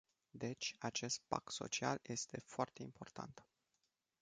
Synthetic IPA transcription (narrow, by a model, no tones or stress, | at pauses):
d̪e̞t͡ʃʲat͡ʃe̞st̪̚pa̰k̪so̞̰t͡ʃia̰lje̞st̪e̞foart̪e̞impo̞rt̪a̰nt̪